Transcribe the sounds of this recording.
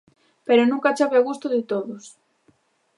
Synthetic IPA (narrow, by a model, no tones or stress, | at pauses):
peɾonũŋkat͡ʃaβeoɣust̪oðɪt̪oðos